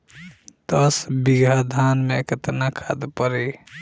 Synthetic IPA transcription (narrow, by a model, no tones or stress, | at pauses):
t̪əsbiɡʱəd̪ʱanmekət̪nakʰad̪pəɾe